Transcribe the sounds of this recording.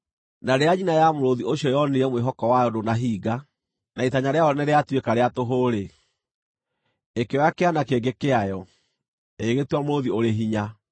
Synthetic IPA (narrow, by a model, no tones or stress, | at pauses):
naɾeaɲinajamoɾoðioɕjɔjɔneɾɛmweɦɔkɔwajɔdonaɦiːɡa | naitaɲaɾeaɔnɛɾeatwekaɾeatoɦoɾe | ekeɔjakeanakeɡekeajɔ | eɣetwamoɾoðioɾeɦiɲa